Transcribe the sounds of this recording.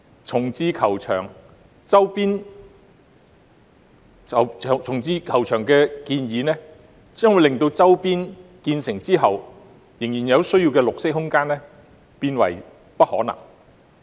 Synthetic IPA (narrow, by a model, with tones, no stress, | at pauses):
t͡sʰʊ˨˩ŋt͡siː˧kʰɐ˨˩wt͡ʃʰœ̰ː˨˩ŋ | t͡sɐ˥wpiː˥n | ɐ˨wt͡sʰʊ˨˩ŋt͡siː˧kʰɐ˨˩wt͡ʃʰœː˨˩ŋkɛː˧kiː˧njiː˨˧nɛː˥ | t͡sœː˥nwu˨˧jlɪ˨ŋt̪o˧wt͡sɐ˥wpiː˥nkiː˧nsɪ˨˩ŋt͡siː˥ɦɐ˨w | jɪ˨˩ŋjiː˨˩njɐ˨˧wsɵ˥ɥjiː˧wkɛː˧lʊ˨k̚sɪ˥k̚ɦʊ˥ŋkaː˥nɛ˥ | piː˧nwɐ̰˨˩j | pɐ˥t̚hɔ̰ː˨˥nɐ̰˨˩ŋ